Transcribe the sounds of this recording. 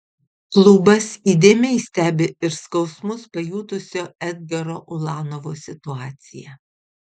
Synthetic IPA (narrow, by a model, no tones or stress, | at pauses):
klˠubɐsiːd̪ʲeːmʲɛɪsʲt̪ʲæːbʲɪɪɾskɒʊsmʊspɐjuːt̪ʊsʲoːɛd̪̚ʲɡʲɛɾoːʔʊlˠɑːnoʋoːsʲɪt̪ʊɑːt̪sʲɪjɛ